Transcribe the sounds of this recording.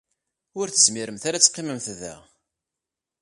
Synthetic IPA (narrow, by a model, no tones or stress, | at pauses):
ʊɾθəsmiɾəmθaɾæt͡sːqːiməmθðæ̰